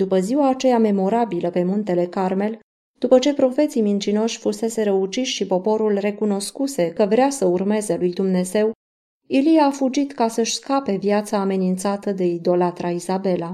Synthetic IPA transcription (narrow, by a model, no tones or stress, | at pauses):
d̪̥upəziwaːt͡ʃe̞jame̞mo̞ɾabiləpe̞munt̪ele̞karme̞l | d̪̥upət͡ʃe̞pɾo̞fe̞t̪simint͡ʃino̞ʃʲfuse̞se̞ɾəut͡ʃiʃʲʃipo̞po̞ɾulre̞kuno̞skuse̞kəvɾeasəurme̞ze̞lujd̪umne̞ze̞w | ilijaːfud͡ʒit̪kasəʃʲskape̞vjat̪saːme̞nint̪sat̪əd̪e̞id̪o̞lat̪ɾaizabe̞la